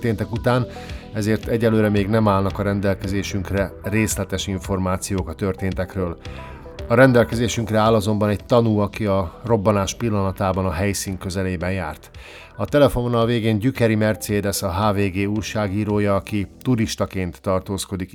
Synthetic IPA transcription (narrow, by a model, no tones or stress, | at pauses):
t̪eːnt̪ɛkut̪aːn | ɛzeːrt̪ɛɟːɛløːɾɛmeːɡnɛmaːlnɒkɒɾɛnd̪ɛlkɛzeːʃyŋkrɛreːslɛt̪ɛʃiɱfo̞rmaːt̪sijoːkɒt̪ørt̪eːnt̪ɛkrøːl | ɒɾɛnd̪ɛlkɛzeːʃyŋkrɛaːlɒzo̞mbɒnɛcɟt̪ɒnuɒkiɒro̞bːɒnaːʃpilːɒnɒt̪aːbɒnɒɦɛjsiːŋkːø̞zɛleːbɛnjaːrt̪ | ɒt̪ɛlɛfomonɒlveːɡeːɲɟykɛɾimɛrt̪seːd̪ɛsɒɦaːveːɡeːujʃaːɡiːɾoːjɒːkit̪uɾiʃt̪ɒkeːnt̪ːɒrt̪oːsko̞d̪ik